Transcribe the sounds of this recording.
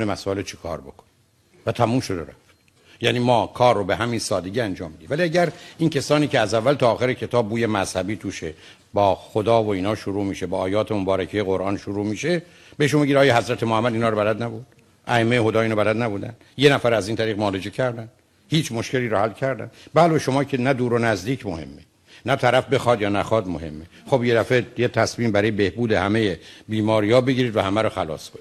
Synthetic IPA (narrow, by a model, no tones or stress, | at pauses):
nemæsɔːelet͡ʃʰekʰɒ̰ːɾbo̰kʰo̥n | væt̪ʰæmuːmʃod̪eɾæ̰ft̪ | jæniːmɒːkʰɒːrːobeɦæminsɒːd̪eɟiænd͡ʒɒːmbid̪iːvæliæɟæɾiːncʰæsɒːniːceæzævːælt̪ɒːxeɾecʰe̞t̪ʰɒːb̚buːjemæz̥hæbiːt̪ʰuːʃe | bɒːxod̪ɒːvoiːnɒːʃoɾuːmiːʃebɒːʔːjɒːt̪ʰemobɒːɾæcʰejeɣo̞ɾʔɒːnʃoɾuːmiːʃe | be̞eʃ̬unmbeɟiːd̪ɒːjɒːhæzɾæt̪ʰemohæmːæd̪iːnhɒːɾobælæd̪næbuɾd̪̥ | ʔæemːejeɦo̞d̪ɒːeinɑbælæd̪næbud̪æ̰n | je̞næfæɾæziːnt̪ʰæɾiːɣmɔːled͡ʒʰecʰæɾd̪æn | hiːt͡ʃʰmo̞ʃce̞liːɾɔhælːcʰæɾd̪æ̰nbæloʃo̞mɒːcʰe̞næd̪uːɾonæzd̪iːcʰmohe̞̰mːe | næt̪ʰæɾæfbe̞xɒːd̪jɒːnæxɒːd̪mohe̞̰mːexo̞bje̞d̪æfejet̪ʰæsmiːmbæɾɒːjebe̞hbuːd̪ehæmejebiːmɒːɾiːjɒːbeɟʲiːɾiːd̪væhæmæɾoxælɒ̰ːsboi